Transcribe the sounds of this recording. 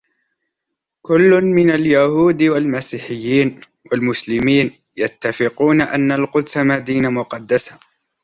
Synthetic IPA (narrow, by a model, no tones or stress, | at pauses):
kʊlːʊnmɪnaljahuːd̪walmasiːħɪjːiːn | walmʊslɪmiːn | jat̪ːafɪquːnaʔanːalqʊd̪samad̪iːnamʊqɑd̪ːasḁ